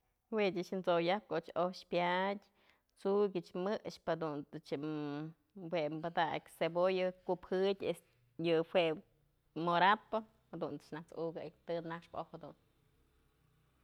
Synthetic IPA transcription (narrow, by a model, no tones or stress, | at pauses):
wedʲɨt͡ʃnt͡sojap̚koʔt͡ʃoʃpjadʲ | t͡suɡʲɨt͡ʃmɨʔʂphad̪unt̪ɨt͡ʃ | wembad̪a̰kʲsebojɨkuphɨdʲes | jɨhweʔ | moɾapɨ | had̪unt̪ɨ̥t͡ʃnakt͡suɡɨʔkt̪ɨnakʂpo̰had̪ṵn